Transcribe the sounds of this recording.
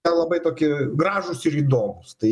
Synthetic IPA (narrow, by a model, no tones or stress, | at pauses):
ɛlˠɐbɐɪt̪oːkʲɪɡɾɑːʒʊsɪɾiːd̪oːmʊst̪ɐɪ